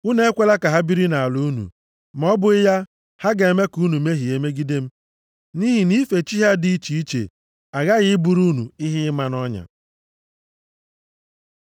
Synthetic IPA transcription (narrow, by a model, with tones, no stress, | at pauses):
u˦ne˦e˦kʷe˦la˦ka˨ɦa˦bi˦ɾi˦na˨a˨lu˦nṵ˨ | m˨ɔ˦bʊ˦ɪ˦ja˦ | ha˦ɡe˨e˨me˦ku˦nu˨me˦ɦi˨e˨me˦ɡi˦de˦m̩˦ | ni˦ɦi˨ni˦fe˨t͡ʃi˦ɦa˦di˦t͡ʃi˨i˦t͡ʃḛ˨ | a˨ɣa˦ɣɪ˦bu˨ɾu˦nṵ˨ɪ˦ɦɪ˦ɪ˦ma˨nɔ˦ɲa̰˨